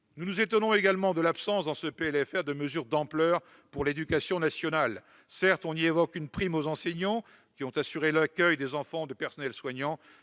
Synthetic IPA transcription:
nunuzet̪ɔnɔ̃eɡalmɑ̃d̪əlapsɑ̃sd̪ɑ̃səpeɛlɛfɛʁd̪əməzyʁd̪ɑ̃plœːʁ | puʁled̪ykasjɔ̃nasjɔnal | sɛʁt̪ɔ̃nievɔkynpχimozɑ̃sɛɲɑ̃ | kʲiɔ̃t̪asyʁelakʲœjd̪ezɑ̃fɑ̃d̪əpɛʁsɔnɛlswaɲɑ̃

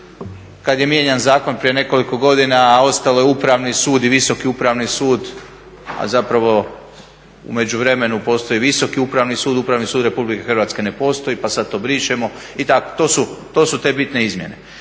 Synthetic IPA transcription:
kad̪je̞mje̞ɲanzaːko̞npɾije̞ne̞ko̞liko̞ɡo̞d̪inao̞st̪alo̞jeupɾaʋnisuːd̪iʋiso̞kiupɾaʋnisuːd̪ | a̰zapɾaʋo̞ | ṵme̞d͡ʑuʋɾe̞me̞nupo̞ːst̪o̞iʋiso̞kiupɾaʋnisuːd̪upɾaʋnisuːd̪ɾe̞publike̞xrʋat̪ske̞ne̞po̞ːst̪o̞ipasad̪̚t̪obɾiʃemo̞ | it̪ako̞̥t̪o̞ːsut̪o̞ːsut̪e̞ːbit̪ne̞izmje̞ne̞̰

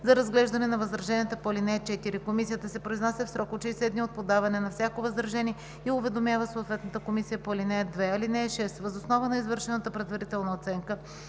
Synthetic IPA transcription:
zɐɾɐzɡlɛʒd̪ɐnɛnɐvɐzɾɐʒɛniət̪əpolinɛːt͡ʃɛt̪iɾikomisijət̪əsɛpɾoiznasɛfsɾɔkot͡ʃɛisɛd̪niot̪̚pod̪avɐnɛnɐfsʲjakovɐzɾɐʒɛnʲiɛ | iʊvɛd̪omjavəsoːt̪vɛt̪nət̪əkomisijəpolinɛɛd̪vɛɐlinɛɛʃɛst̪vəzosnɔvənɐizvɤɾʃɛnɐt̪əpɾɛd̪vɐɾit̪ɛlˠnɐot̪sɛŋkə

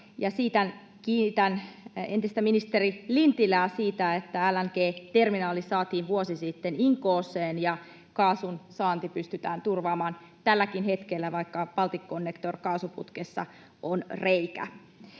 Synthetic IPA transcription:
jɑsiːt̪æn | kiːnit̪ænent̪ist̪æminist̪erilint̪ilæːsiːt̪æet̪ːæælːæŋkeːt̪erminɑːlisɑːt̪iːʋʋuosisit̪ːeniŋkoːseːnjɑ | kɑːsunsɑːnt̪ipyst̪yt̪æːnt̪urʋɑːmɑːn | t̪ælːækinhet̪kelːæʋɑikːɑpɑlt̪ikːonːekt̪orkɑːsupṵt̪kesːɑ̰ | ʔonreikæ̰

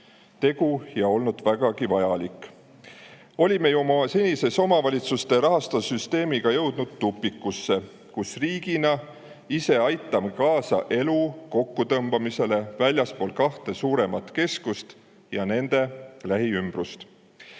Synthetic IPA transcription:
t̪e̞ɡ̥ujɑo̞lnud̪̥væɡ̥ɑɡivɑjɑlikːˑ | o̞lʲimejumɑsenʲise̞so̞mɑvɑlʲit̪sust̪e̞ɾɑɦɑst̪ɑsyst̪e̞ːmiɡ̥ɑjɤwd̪̥nud̪̥t̪ːupːˑikːˑusːe̞ | kusriːɡ̥inɑ | ise̞ɑjt̪ːˑɑmekɑːsɑ̰ʔe̞luko̞kːut̪ɤmbɑmise̞le̞vælʲjɑspo̞ːlkɑht̪e̞suːɾe̞mɑt̪ke̞skust̪ | jɑne̞nd̪̥e̞læɦiymb̥rust̪

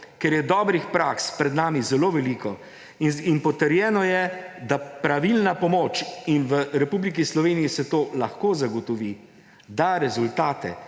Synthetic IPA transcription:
kɛɾjɛd̪ɔːbɾixpɾakspɾɛd̪naːmizɛloːʋɛlikɔ | inpɔt̪əɾjɛːnɔjɛd̪apɾaʋilnapɔmoːt͡ʃinʋəɾɛpublikislɔʋeːnijisɛt̪oːlaxkoːzaɡɔt̪ɔʋi | d̪aɾɛzult̪aːt̪ɛ̰

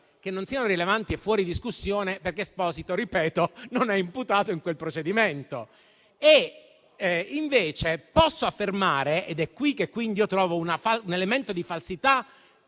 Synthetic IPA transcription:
k̟enːonsiːanoɾilevant̪iefːwɔːɾid̪iskusːjoːneperkespɔːsit̪oɾipɛːt̪ononɛimput̪aːt̪oiŋkwelpɾot͡ʃed̪iment̪o | e | iɱveːt͡ʃepɔsːoafːermaːɾeʔed̪ɛkːwikːekːwind̪iiːot̪ɾɔːvounafaunelement̪od̪ifalsit̪a

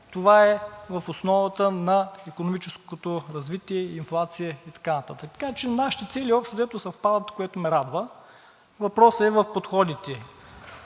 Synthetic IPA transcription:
t̪ovaɛvɐfosnɔvət̪ənɐikonomit͡ʃɛskot̪oɾɐzvit̪iɛinflˠat̪sijɛit̪ɐ̥kanɐt̪at̪ək̚t̪kat͡ʃɛnaʃi̥t̪ɛt̪sɛliɔpʃt̪ozɛt̪osɐfpad̪ət̪koɛt̪omɛɾad̪və | vɐpɾɔsɛvɐfpot̪xɔd̪it̪ɛ

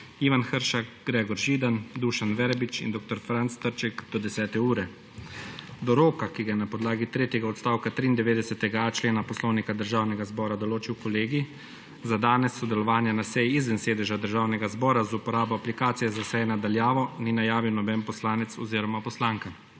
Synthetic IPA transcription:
iːʋanxəɾʃakɡ̥ɾɛːɡɔɾʒiːd̪and̪uʃanʋɛɾbit͡ʃḭnd̪oːk̚t̪ɔɾfɾant̪st̪əɾt͡ʃɛkd̪̥ɔd̪ɛsɛːt̪ɛuːɾɛ | d̪ɔɾoːkakiɡajɛnapɔd̪laːɡit̪ɾeːt̪jɛɡaɔt̪st̪aːwkat̪ɾiːnd̪ɛʋeːd̪ɛsɛt̪ɛɡat͡ʃleːnapɔslɔːwnikad̪əɾʒaːwnɛɡazbɔːɾad̪ɔloːt͡ʃiwkɔleːɡi | zad̪aːnɛsːɔd̪ɛlɔʋaːnjanasɛjiizʋɛnseːd̪ɛʒad̪əɾʒaːwnɛɡazbɔːɾazupɔɾaːbɔaplikaːt̪sijɛzasɛjɛnad̪aljaːʋɔninajaːʋiwnɔbɛnpɔslaːnɛt̪sɔ̰ziːɾɔmapɔslaːŋka

